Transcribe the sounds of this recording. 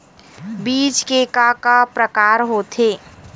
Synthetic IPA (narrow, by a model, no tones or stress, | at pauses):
biːd͡ʒkeːkakapɾəkaːɾɦot̪ʰeː